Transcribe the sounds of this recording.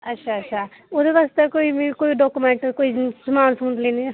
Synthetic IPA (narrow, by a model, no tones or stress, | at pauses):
ɐtːʃʰaɐtːʃʰa | od̪eʋaːst̪ekoːimkoːiɖɔːkumẽːɳʈkoːisɐmaːnsũːnd̪lẽːni